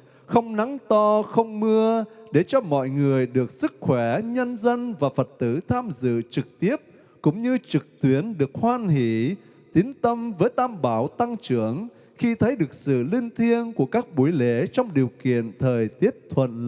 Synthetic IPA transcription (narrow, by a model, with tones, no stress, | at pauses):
xə˧wŋ͡mna˨˦ŋt̪ɔ˧xə˧wŋ͡mmɨ˧əɗe˧˩t͡ɕɔ˧mɔ̰˧˨jŋɨ˨˩əjɗɨ˨˩ək̚sɨ˦˥k̚xwɛ˧˩ɲə˧nzə˧nvaː˨˩fə˨˩t̚t̪ɨ˧˩t̪ʰaː˧mzɨ̰˧˨t͡ɕɨ˨˩k̚t̪i˦˥əp̚ | kʊ̰˧˥ŋ͡mɲɨ˧t͡ɕɨ˨˩k̚t̪wi˨˦ənɗɨ˨˩ək̚hwaː˧nhḭ˧˩˨ | t̪i˨˦nt̪ə˧mvəː˨˦jt̪ʰaː˧mɓaː˧˩wt̪a˧ŋt͡ɕɨ˧˩əŋ | xi˧t̪ʰə˨˦jɗɨ˨˩ək̚sɨ̰˧˨li˧nt̪ʰi˧ənku˧˩əkaː˦˥k̚ɓu˨˧˩jle˨˦t͡ɕɔ˧wŋ͡mɗi˨˩əwkḭ˧˨ənt̪ʰəː˨˩jt̪i˦˥əp̚t̪ʰwə̰˧˨n